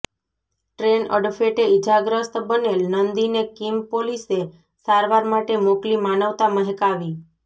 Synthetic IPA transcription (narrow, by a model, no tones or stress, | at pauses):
ʈɾenə̰ɖfeʈeid͡ʒaɡɾəst̪bənelnənd̪inekimpolise | saɾʋaɾmaʈemoklimanəʋt̪aməɦɛkaʋi